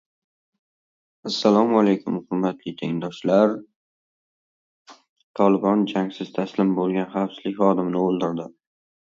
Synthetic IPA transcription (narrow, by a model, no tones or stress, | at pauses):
asːalˠɒmalejkʲʰʊmχʊɾmːat̪lɪt̪ʰeɪnd̪ɒʃlaɾ | t̪ʰɒlɪbɒnd͡ʒaŋsɪz̥t̪ʰaslɪmbolˠɡʲanχɑwsɪ̥slɪkʲχɒd̪ɪmnɪolˠd̪ɪɾd̪ɪ